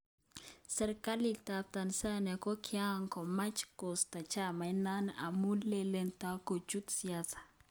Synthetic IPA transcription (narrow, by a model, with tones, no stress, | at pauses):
sɛ˨ɾka˦li˨ta˨p̚t̪a˨nsa˦nɛ˨kɔ˦kʰja˦˨ŋkɔ˨ma˦t͡ʃko˨st̪a˨t͡ʃa˦ma˨jna˦na̰˨mu˦le˦le˦nt̪a˦ko˨d͡ʒu˦t̪sia˦sḁ˨